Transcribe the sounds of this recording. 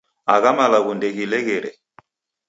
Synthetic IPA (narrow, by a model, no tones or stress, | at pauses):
aɣamalaɣundɛɣilɛɣɛɾɛ